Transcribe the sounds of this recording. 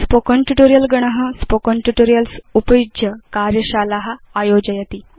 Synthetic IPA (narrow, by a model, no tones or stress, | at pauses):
spokɔnʈuʈoɾijəlɡəɳ̃əɦəspokɔnʈuʈoɾijəlsupəjudjəkaɾjəɕalaɦaːjod͡ʑajɐt̪i